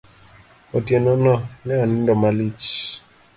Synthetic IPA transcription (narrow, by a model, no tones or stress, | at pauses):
otjenɔnɔnɛɔnɪ̃ndɔmalit͡ʃ